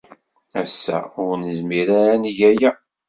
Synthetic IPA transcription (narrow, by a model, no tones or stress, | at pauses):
æsːæ̰ʊɾnəzmiɾanʝæjæ